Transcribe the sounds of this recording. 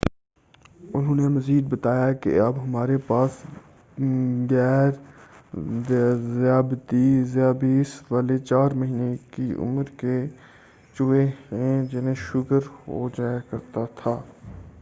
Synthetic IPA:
ʊnɦõːnemɐziːd̪̚bɐt̪aːjakḛɐbɦɐmaːɾepaːs | ɡɛːɾ | zjaːbt̪izjaːbiɪsʋaːlet͡ʃaːɾmɐɦiːnekiʊ̰məɾke | t͡ʃʊːeɦẽd͡ʒɪnẽʃʊkəɾɦo̰d͡ʒaːjkɐɾt̪at̪ʰaː

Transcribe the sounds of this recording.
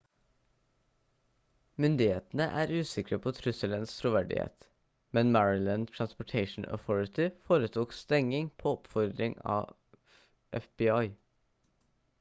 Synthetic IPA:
mʏnd̪ɪheːt̪n̩əʔæːɾʉːsɪkɾəpʰoːt̪ʰɾʏsələnst̪ʰɾʊʋæɖɪ̰hḛːt̪ | mɛnmæɹɪlənd̪t̪ʰɹɑnspɔʈʰeɪʃn̩ə̰θɔɹɪt̪ɪfoːɾət̪ʰuːkst̪ɛŋɪŋpʰoːɔpfɔɾd̪ɾɪŋɑ̰ː | ʔɛfb̥ɪɑɪ

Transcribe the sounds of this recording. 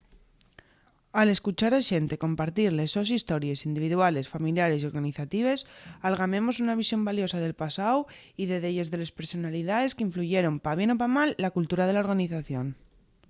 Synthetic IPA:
ale̞skut͡ʃaɾaʃe̞nt̪e̞ko̞mpaɾt̪iɾle̞so̞sist̪o̞ɾje̞sind̪iβiðuale̞sfamiljaɾe̞sio̞ɾɣaniθat̪iβ̞e̞salɣamẽ̞mo̞sunaβ̞isjo̞mbaljo̞saðe̞lpasaw | iðe̞ðeʎe̞zðe̞lespe̞ɾso̞naliðaðe̞skeiɱfluʝe̞ɾo̞mpaβje̞no̞pamalːakult̪uɾað̞e̞lao̞ɾɣaniθaθjo̞n

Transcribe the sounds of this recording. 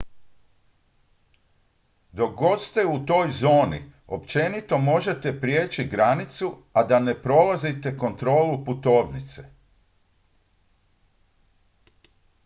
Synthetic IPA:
d̪o̞k̚ɡo̞t̪st̪e̞ut̪o̞ːjzo̞ːnḭo̞pt͡ʃe̞nit̪o̞mo̞ʒe̞t̪e̞pɾje̞ːt͡ʃiɡɾanit̪suad̪ane̞pɾo̞lazit̪e̞ko̞nt̪ɾo̞ːluput̪o̞ːʋnit̪se̥

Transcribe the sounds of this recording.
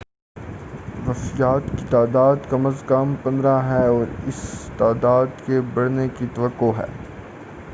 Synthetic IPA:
ʋɐfɪjaːt̪kit̪aːd̪aːd̪kɐməzkɐmpɐ̃nd̪ɾaɦɛɔːɾɪst̪aːd̪aːd̪kebɐɽ̤nekit̪ɐʋəqːoɦɛ̰ː

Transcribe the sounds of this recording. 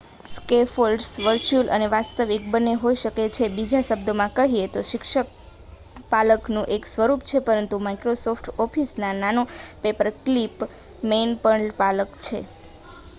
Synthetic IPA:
skefolɖsʋəɾt͡ʃulʔə̰neʋast̪əʋik̚bəneɦoiʃəket͡ʃʰebid͡ʒaʃəb̚d̪omãkəɦiet̪oʃɪkʃək̚ | paləknũʔeksʋəɾup̚t͡ʃʰepəɾənt̪umaikɾosofʈʰɔfʰisnananopepəɾklip | menpəɳlpaləkt͡ʃʰḛ

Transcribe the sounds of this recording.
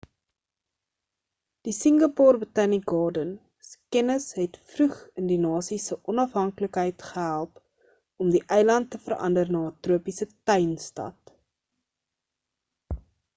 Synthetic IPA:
d̥isəŋɡɑpɑːrbətɐniɡɑːrdən | skɛnəsɦɛtfrʉχəndinɑːsisəʔɔnɐfɦɐŋkləkɦəjtχəɦælˠp | ɔmdiʔɛjlɐntːəfərʔɐ̰ndərnɑːtruəpisətœɥnstɐ̰t

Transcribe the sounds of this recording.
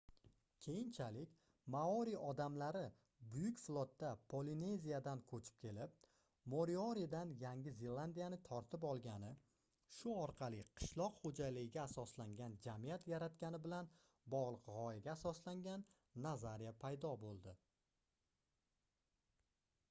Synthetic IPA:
kʲʰe̞jɪnt͡ʃʰalɪkʲ | maɒɾiɒd̪amlaɾɪ | bʊjʊkʲflˠot̪ːapʰoline̞zijad̪ankʰɵt͡ʃʰɪ̥p̚kʲʰe̞lɪp̚ | moɾioɾid̪anjaŋɡʲɪzeland̪ijanɪt̪ʰɒɾt̪ʰɪp̬ɒlˠɡʲanɪ | ʃʊɒɾqʰɑlˠɪqʰɨ̥ʃlˠɒqχod͡ʒalɪɡʲɪɡʲaːsɒslaŋɡʲand͡ʒamijat̪jaɾat̪kʲanɪbɪlan | bɒʁlˠɨqʁɒjaɡʲaːsɒslaŋɡʲanː | azaɾijapʰajd̪ɒbolˠd̪ɪ

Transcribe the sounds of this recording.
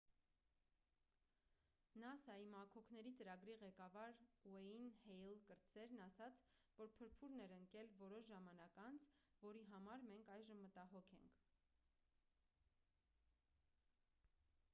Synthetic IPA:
nɑsɑimɑkʰɔkʰnɛɾit͡səɾɑɡɾiʁɛkɑvɑɾwɛinhɛjlkəɾt͡sɛɾnɑsɑt͡sʰvɔɾpʰəɾpʰuɾnɛɾəŋkɛlvɔɾɔʃʒɑmɑnɑkɑnt͡sʰvɔɾiɦɑmɑɾmɛŋkʰɑjʒəmːət̪ɑɦɔkʰɛ̰ŋkʰ

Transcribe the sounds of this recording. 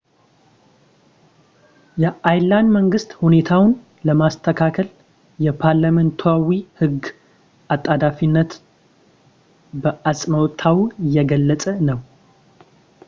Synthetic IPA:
jɛʔajland̪məŋɡɨst̪hune̞t̪ʰawn | ləmast̪ʰəkʰakʰəl | jɛpʰaɾlamənt̪ʰuawihɨɡ | ʔat̪ʼːad̪afinːət̪ | bəʔasʼməwt̪ʰawjɛɡəlːət͡sʼənəw

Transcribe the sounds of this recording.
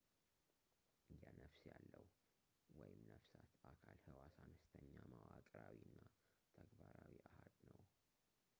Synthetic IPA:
ʔɨjanəfsjalːəw | wɔjɪmnəfsat̪akʰalhɨwasanəst̪ʰəɲːamawakʼɾawiɨnːa | t̪ʰəɡbaɾawiahad̪nəw

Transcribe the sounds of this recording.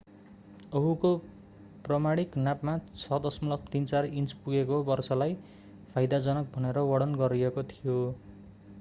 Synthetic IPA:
ʌɦuko | prʌmaɽ̃iknapmat͡sʰʌd̪ʌsmʌlʌb̚t̪int͡sarint͡spuɡekobʌrsʌlaj | pʰajd̪ad͡zʌnʌk̚bʱʌneɾʌwʌɽʌnɡʌɾiekot̪ʰijo

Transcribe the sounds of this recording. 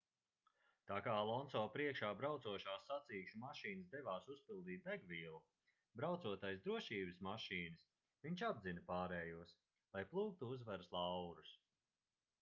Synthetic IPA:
t̪aːkaːlˠɔnsɔːpɾiɛkʃaːbɾawt̪suɔʃaːsːat̪siːʃumaʃiːnɨsd̪ɛvaːsuspilˠd̪iːt̪̚d̪aɡviːlˠu | bɾawt̪suɔt̪ajs̬d̪ɾuɔʃiːbɨsmaʃiːnɨs | viɲt͡ʃab̪zinɐpaːɾɛːjuɔs | lˠajplˠuːk̚t̪uuzvaɾslˠawɾus

